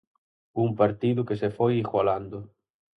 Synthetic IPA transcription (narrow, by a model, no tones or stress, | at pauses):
uŋpaɾt̪iðʊkesefojixwaland̪ʊ